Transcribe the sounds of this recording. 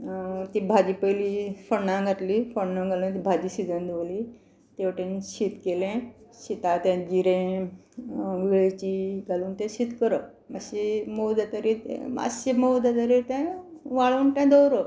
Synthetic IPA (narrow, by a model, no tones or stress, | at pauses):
t̪ibʱad͡ʑiːpəjlifəɳːãɡʱat̪liːfəɳnːãɡʱalũnt̪ibʱad͡ʑiːɕid͡zə̃nd̪oʋliː | t̪eʋʈẽnɕit̪kelẽɕit̪at̪jãd͡ʑiɾẽ | ɡeɭt͡ɕiɡʱaluːnt̪ɛ̃ɕit̪kəɾə | aɕemowd̪at̪əɾit̪ḛ̃a̰simowd̪at̪əɾit̪ɛ̃ʋaɭuːnt̪ɛ̃d̪owɾə